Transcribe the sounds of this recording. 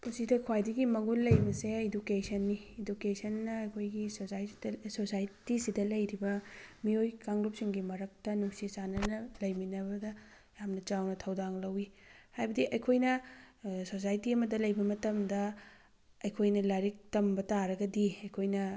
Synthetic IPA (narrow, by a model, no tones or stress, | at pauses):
musidɐkʰwajdiɡimɐɡulːɐjbɐseidukesɐnːiːdukesɐnːɐːjkʰojɡi | sosajtisidɐlɐjɾibɐmiojkaŋɡlup̚siŋɡimɐɾɐk̚tɐnuŋsisanɐnɐlɐjminɐbɐdɐ | jamnɐt͡ʃawnɐtʰɐwdaŋlɐwihajbɐdiʔɐjkʰojnɐ | sos̬ajtiɐmɐdɐlɐjbɐmɐtɐmdɐ | ɐjkʰojnɐlaɾik̚tɐmbɐtaɾɐɡɐdiɐjkʰojnɐ